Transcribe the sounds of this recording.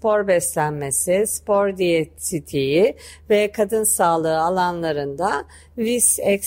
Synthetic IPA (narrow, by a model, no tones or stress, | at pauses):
po̞ɾbɛslʲænme̞sispo̞ɾd̪ijesit̪ʰijivɛkʰad̪ɯnsaːlˠɯːalˠanlˠaɾɯnd̪a | visɛk